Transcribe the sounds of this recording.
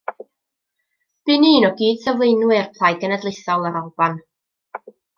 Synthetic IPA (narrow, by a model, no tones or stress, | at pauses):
b̥ɪniːnɔɡiːd̥səvlˠejnwɨrpʰlˠajɡənədlˠɪθɔlˠaɾɔlˠb̥an